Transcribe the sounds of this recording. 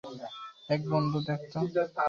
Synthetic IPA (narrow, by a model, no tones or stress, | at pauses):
ɛk̚bɔnd̪ud̪ɛk̚t̪o